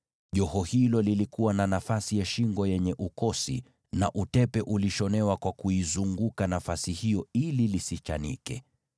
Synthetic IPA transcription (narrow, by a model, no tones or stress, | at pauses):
ʄɔhɔhilɔlilikuwananafasijaʃiŋɡɔjɛɲɛʔukɔsḭ | na̰ʔutɛpɛʔuliʃɔnɛwakwakuizuŋɡukanafasihijɔililisit͡ʃa̰nḭkɛ̰